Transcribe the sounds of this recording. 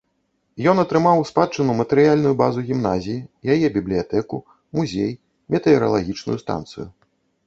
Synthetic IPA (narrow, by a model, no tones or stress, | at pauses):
jɔnɐt̪ɾɨmawspat͡ʂːɨnumɐt̪ɛɾɨjalʲnujubazuɣʲimnazʲijijajɛbʲiblʲijat̪ɛku | muzʲɛj | mʲɛt̪ɛɛɾɐ̰lˠaɣʲit͡ʂnṵjust̪a̰nt̪sɨ̰ju